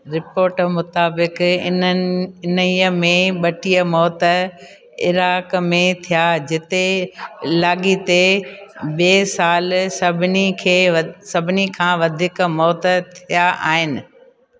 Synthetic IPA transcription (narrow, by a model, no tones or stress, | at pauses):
ɾɪpoːɾʈmʊt̪aːbɪkɪ | ɪnəiːəmẽɓɐʈijəmɔːt̪ə | ɪ̰ɾaːkmẽt̪ʰijad͡ʑɪt̪e | laːɠit̪e | ɓeːsaːlsɐbʱɪnikʰeːsɐbʱɪnikʰãːʋɐd̪ʱɪkmɔːt̪t̪ʰijaʔa̰ːɦɪnɪ̆